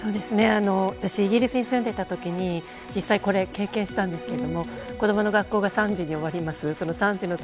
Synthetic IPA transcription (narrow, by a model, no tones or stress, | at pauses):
so̞ːd̪e̞sɨne̞ano̞βat̪aɕiːɡʲiɾʲisɨɲ̟isɨ̃nd̪e̞it̪at̪o̞kʲiɲ̟i | d͡ʑisːaiko̞ɾe̞ke̞ːkẽ̞ɰ̃ɕi̥t̪ãnd̪e̞sɨ̥ke̞ɾe̞d̪o̞mo̞ | kod̪o̞mo̞no̞ɡakːo̞ːɡasãɲ̟d͡ʑiɲ̟io̞βaɾʲimasɨso̞no̞sãɲ̟d͡ʑino̞